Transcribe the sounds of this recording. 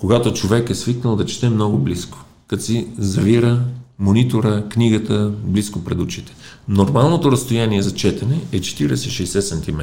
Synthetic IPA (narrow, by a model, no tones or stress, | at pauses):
koɡat̪ot͡ʃovɛkɛsviknəlˠd̪ɐt͡ʃt̪ɛmnɔɡʊblisko̥ | kɐt̪sizɐviɾəmonit̪oɾəkniɡət̪əbliskopɾɛd̪ut͡ʃit̪ɛ̥noɾmalˠnot̪oɾɐst̪ojaniɛzɐt͡ʃɛt̪ɛnɛɛt͡ʃɛ̥t̪iɾɛ̰sɛiʃɛjsɛsɐnt̪imɛ